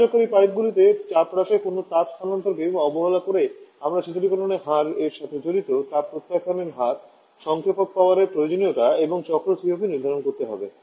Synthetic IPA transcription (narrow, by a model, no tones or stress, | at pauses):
okaɾipajt̪̚ɡulit̪et͡ɕapɾaʃekonot̪apkʰanɔnt̪oɾkebɔboɦolakoɾeamɾat͡ɕit̪oɾikɔʈoneɦaɾeɾʃat̪ʰed͡ʑoɾit̪otapɾot̪ːakʰaneɾɦat̪ | ʃɔŋkʰopok̚paoaɾeɾpɾojod͡ʑonijoʈaeboŋt͡ɕɔkɾosiopiniɾd̪ʱaɾonkoɾt̪eɦɔ̰be